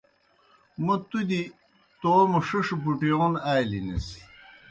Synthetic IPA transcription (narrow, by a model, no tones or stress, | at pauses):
mɐt̪ud̪i | t̪oːmɐʂiʂpuʈijoːnajlinḛsi̥